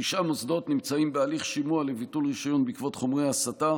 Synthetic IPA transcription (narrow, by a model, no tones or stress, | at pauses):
iʃʔamosdo̞tnimt͡saimbealiχʃimualevitulʁiʃajo̞nbikvo̞tχomʁejasata